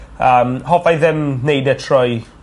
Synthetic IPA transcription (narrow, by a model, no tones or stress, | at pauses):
əːmhɔvajðɛmnejdɛtʰrɔj